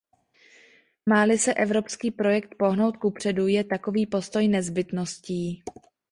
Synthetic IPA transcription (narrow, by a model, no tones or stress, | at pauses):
maːlɪsɛʔɛvɾo̞pskiːpɾo̞jɛk̚t̪̚po̞ɦno̞wt̪̚kupr̝̥ɛdujɛt̪ako̞viːpo̞st̪o̞jnɛzbɪt̪no̞sciː